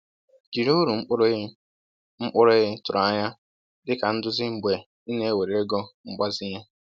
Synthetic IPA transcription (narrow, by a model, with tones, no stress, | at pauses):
ɡi˨ɾo˦ɾu˨ŋ͡m̩˦k͡pʊ˦ɾ | ŋ͡m̩˦k͡pʊ˦ɾe˦ɦɪ˦tʊ˨ɾa˦ɲa˦ | dɪ˦ka˨n̩˦dʊ˦zɪ˦ŋ͡m̩˨ɡ͡be˨ | i˦ne˦e˦we˨ɾe˨e˦ɡɔ˦ŋ͡m̩˦ɡ͡ba˦zɪ˦ɲe˦